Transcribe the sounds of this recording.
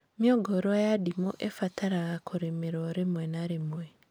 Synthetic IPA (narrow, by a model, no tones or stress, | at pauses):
mjɔɡɔɾoajadimoʔefatʰaɾaɣakʰoɾemeɾɔɾemwɛnaɾemwɛ